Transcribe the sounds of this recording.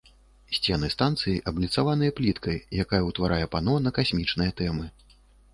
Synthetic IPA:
sʲt͡sʲɛnɨst̪ant̪sɨjiʔɐblʲit̪savanɨjɐplʲit̪kɐjjakajɐwt̪vaɾʔajɛpanɔnɐkasʲmʲit͡ʂnɨjɐt̪ɛmɨ

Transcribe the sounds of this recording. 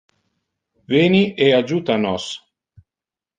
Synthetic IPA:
veːniʔead͡ʒuːt̪anɔs

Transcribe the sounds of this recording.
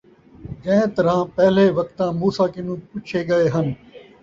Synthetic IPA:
kɐ̃t̪ɐɾãːpɛɦleːʋɐkt̪ãːmuːsaːkɪnũːpʊt͡ʃʰeːɠɐeːɦənɪ̆

